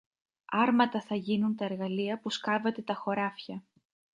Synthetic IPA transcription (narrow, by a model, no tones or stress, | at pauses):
ɐɾmɐt̪ɐθɐʝinunt̪ɐe̞ɾɣɐliɐpuskɐvet̪e̞t̪ɐxo̞ɾɐfçɐ